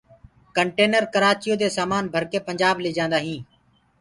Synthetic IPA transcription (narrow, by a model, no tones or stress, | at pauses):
kəɳʈeːnəɾkəɾaːt͡ʃɪjoːd̪eːsaːmaːnbʱəɾkeːpəɲd͡ʒaːbleːd͡ʒãːnd̪aːɦĩː